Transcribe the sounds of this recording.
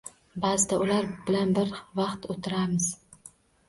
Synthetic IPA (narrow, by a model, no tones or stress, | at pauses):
bazɪt̪ʰaʊlaɾbɪlanbɪɾvɑqt̪ʰot̪ʰɪɾamɪz̥